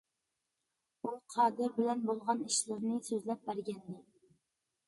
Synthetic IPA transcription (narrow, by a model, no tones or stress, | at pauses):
uqʰɑːd̪ɪɾbɪlɛnbolˠʁɑniʃlɪɾnɪsøzlɛp̚bæɾɡʲɛnd̪ɪ